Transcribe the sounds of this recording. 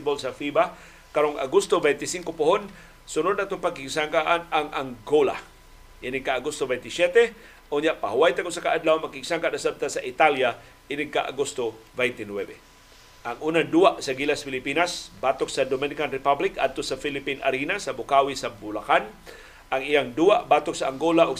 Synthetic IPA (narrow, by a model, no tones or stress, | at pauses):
t̪ɪbolsafiba | kaɾoŋa̰ɡust̪obɛjnt̪ɪsiŋkopʊhon | sʊnʊd̪̚naʔt̪oŋpaɡ̚kːiɡsaŋkaʔanaŋaŋɡola̰ | ʔɪnɪɡ̚kaːɡust̪obɛnt̪ɪsjɛt̪ɛ | ʔoɲjaʔpahʊwajt̪akʊsakaʔad̪lawmakiɡsaŋkaʔnasab̚t̪asaʔit̪alja | ʔɪnɪɡ̚kaʔa̰ɡust̪ovɛjnt̪ɪnwɛbɛ | ʔaŋʔunand̪uːaʔsaɡilasfɪlɪpiːnasbat̪ok̚sad̪omɪnɪkanɾɪpablɪka̰d̪̚t̪osafilɪpina̰ɾinasɐbʊkawisabʊlakan | ʔaŋijaŋd̪uaʔbaːt̪oksaaŋɡolaʔoɡ